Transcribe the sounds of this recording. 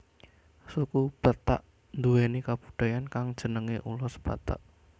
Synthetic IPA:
sukub̥at̪a̰ʔ | nd̪uwenikab̥u̥d̪̥a̤jankaŋd̥ʒ̥ə̤nəŋeʔulʊsb̥at̪a̰ʔ

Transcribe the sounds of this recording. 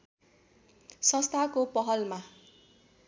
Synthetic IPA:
sʌ̃st̪ʰakopʌɦʌlma

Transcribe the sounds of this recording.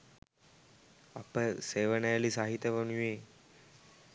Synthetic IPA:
apəseʋəɳjaliːsaɦit̪jəʋəɳ̃ʋe

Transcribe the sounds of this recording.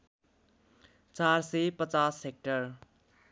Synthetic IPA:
t͡sarsepʌt͡sasek̚ʈʌr

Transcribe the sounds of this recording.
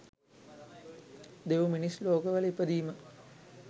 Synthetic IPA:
d̪eʋuminisloːkəʋələipəd̪iːmə

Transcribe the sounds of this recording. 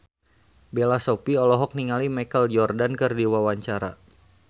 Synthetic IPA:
belasopiɔlɔɦɔk̚niŋalimakəld͡ʒɔrdankɨrdiwawaɲt͡ʃaɾa̰

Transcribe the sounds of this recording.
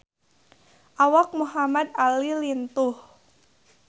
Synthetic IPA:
ʔawak̚muɦamad̪alilint̪ʊh

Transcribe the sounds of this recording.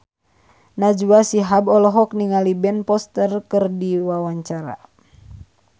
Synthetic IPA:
nad͡ʒuasiɦabɔlɔɦɔk̚niŋalibɛnpɔst̪ərkɨrdiwawaɲt͡ʃaɾa̰

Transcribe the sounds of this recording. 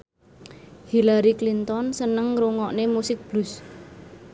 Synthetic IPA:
hilaɾiklint̪ɔnsənəŋɾuŋɔʔnemusɪk̚b̥lus

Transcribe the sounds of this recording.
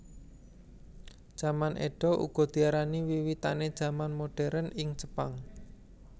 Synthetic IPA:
d̥ʒ̥amanʔḛɖ̥ɔ̤ʔṵɡ̥ɔ̤d̪̥i̤aɾaniwiwit̪a̰ned̥ʒ̥ä̤manmoɖ̥ɛɾənɪŋt͡ʃə̥paŋ

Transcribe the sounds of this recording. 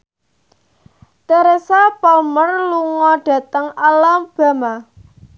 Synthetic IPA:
t̪eɾesapɔlmərluŋɔɖ̥a̤t̪əŋalamb̥a̤ma

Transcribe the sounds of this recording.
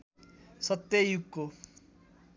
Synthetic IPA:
sʌt̪ːejukːo

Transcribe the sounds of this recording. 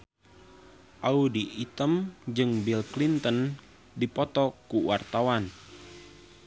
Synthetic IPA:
ʔaudiʔːt̪əmd͡ʒɨŋbilklint̪ən | dipɔt̪ɔkuwart̪awan

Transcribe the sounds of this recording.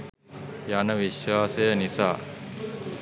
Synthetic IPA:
janəʋiʃwaːsejənisa̰ː

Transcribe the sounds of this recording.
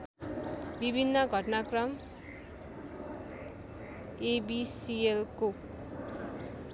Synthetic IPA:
bibʱinːʌɡʱʌʈnakrʌm | ebisielko

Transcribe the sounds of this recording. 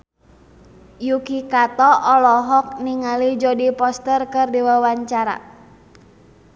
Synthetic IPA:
jukikat̪ɔʔɔlɔɦɔk̚niŋalid͡ʒɔdipɔst̪ərkərdɛwawaɲt͡ʃaɾa̰

